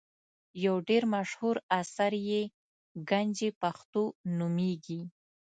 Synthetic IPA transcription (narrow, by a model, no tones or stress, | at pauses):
jawɖeɾmaʃhuɾasaɾje | ɡand͡ʒepaxt̪onumeɡi